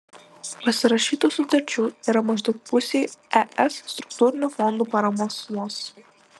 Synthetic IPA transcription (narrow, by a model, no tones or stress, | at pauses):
pɐsʲɪɾɐʃʲiːt̪uːsʊt̪ɐɾʲt͡ʃʲuːiːɾɐmɐʒd̪ɐʊk̚pʊsʲejɛʔɛsːt̪ɾʊkt̪uːɾʲɪnʲuːfɔnd̪uːpɐɾɐmoɔsmuɔs